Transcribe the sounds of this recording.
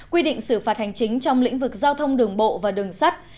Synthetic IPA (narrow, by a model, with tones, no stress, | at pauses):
kwi˧ɗḭ˧˨ŋ̟sɨ˧˩faː˨˩t̚ha˨˩jŋ̟t͡ɕï˨˦ŋ̟t͡ɕɔ˧wŋ͡mlḭ˧˥ŋ̟vɨ˨˩k̚zaː˧wt̪ʰə˧wŋ͡mɗɨ˨˩əŋɓo̰˧˨vaː˨˩ɗɨ˨˩əŋsa˦˥t̚